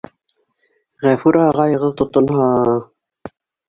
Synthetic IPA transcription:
ʁæfuɾɑʁɑjɤ̆ʁɤðt̪ŏt̪ŏnhɑ

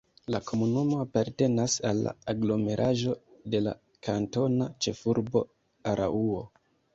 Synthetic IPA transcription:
lakʰo̞munumo̞apaɾte̞nasalːa̰aɡlo̞me̞ɾʔaʒo̞de̞la̰ | kʰanto̞nat͡ʃe̞fuɾbo̞ | aɾʔa̰ʔuo̞

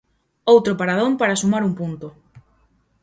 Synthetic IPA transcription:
owt̪ɾopaɾaðompaɾasumaɾumpunt̪o

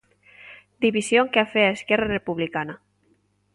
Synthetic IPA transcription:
d̪iβisjoŋkafeaeskɛrarepuβlikana

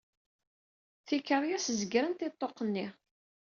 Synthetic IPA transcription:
θikəɾˤjæsəzɡɾənt̪ɪt̪ˤːoqːənːi

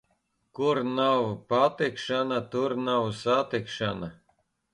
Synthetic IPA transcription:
kuɾnawpat̪ikʃanat̪uɾnawsat̪ikʃana

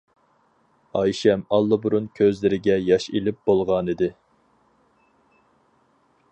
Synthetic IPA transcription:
ɑjʃɛmɑlˠːɨbuɾunkʲʰøzlɪɾɪɡʲɛjɑʃilɪp̚b̥olˠʁɑnid̪ɪ

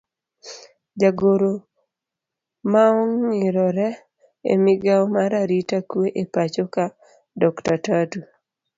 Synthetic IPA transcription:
d͡ʒaɡoɾo | maɔŋɲɪɾɔɾɛ | ḛmɪɡaɔmaɾaɾitakweʔepat͡ʃoka | dɔktatatu

